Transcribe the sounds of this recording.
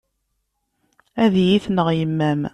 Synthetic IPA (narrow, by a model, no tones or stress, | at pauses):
æðjiθnəʁjəmːæm